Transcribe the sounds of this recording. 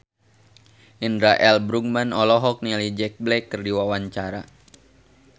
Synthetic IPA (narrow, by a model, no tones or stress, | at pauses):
ʔindɾaʔɛlbɾuk̚manɔlɔɦɔk̚nialid͡ʒɛk̚blɛkːərdiwawaɲt͡ʃaɾa